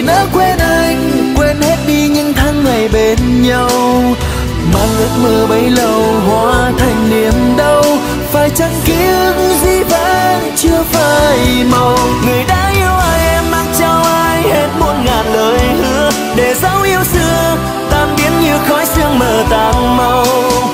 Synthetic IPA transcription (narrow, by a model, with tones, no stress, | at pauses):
nə̰ː˧˦kwɛ˧nʔa˧jŋkwɛ˧nhe˦˥t̚ɗi˧ɲɨ̰˧˥ŋt̪ʰa˧ŋːa˨˩jɓe˧˦˩nɲa˧w | maː˨˩nɨ˨˦kməː˨˩ɓə˨˦jlə˨˩whwa̰ː˧˦t̪ʰa˨˩jŋ̟ni˧˩əmɗə˧w | faː˧˩jt͡ɕa˧˦ŋki˧˦əzi˧˥va̰ː˧˥nt͡ɕɨ˧əfaː˧˩jma˨˧˩wŋɨ˨˩əjɗa̰ː˧˥ʔi˧əwʔaː˧jʔɛ˧mːaː˨˦˥t̚t͡ɕa˧wʔaː˧jhe˦˥t̚mo˧ən̚ŋaː˨˩nləː˨˩˦jhɨ˧˥ə | ɗe˧˩za˧˥wʔi˧əwsɨ˧ə | t̪aː˧˩nɓi˨˦ənɲi˧˩wxɔ˨˦jsɨ˧əŋməː˨˩t̪aː˧˩ŋma˧w